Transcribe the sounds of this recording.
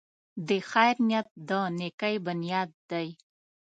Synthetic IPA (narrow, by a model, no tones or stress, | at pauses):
d̪exajɾnjat̪̚d̪ənekajbʊnijɑd̪̚ːaj